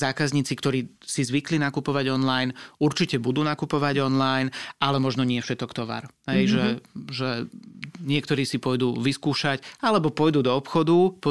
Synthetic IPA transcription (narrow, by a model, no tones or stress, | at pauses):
zaːkazɲiːt͡sikt̪ɔɾiː | sizʋiklinakupɔʋaɟɔnlajnuɾt͡ʃicɛbud̪uːnakupɔʋaɟɔnlajnalɛmɔʒnɔɲɪɛfʃɛt̪ɔkt̪ɔʋa̰ɾɦɛjʒɛʒɛ | ɲɪɛkt̪ɔɾiːsipɔjd̪uːʋiskuːʃacalɛbɔpɔjd̪uːd̪ɔːpxɔd̪upɔ